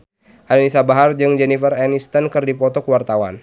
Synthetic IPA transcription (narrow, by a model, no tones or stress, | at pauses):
ʔadanisabaɦard͡ʒɨŋd͡ʒɛnifərɛnist̪ənkɨrdipɔt̪ɔkəwart̪awa̰n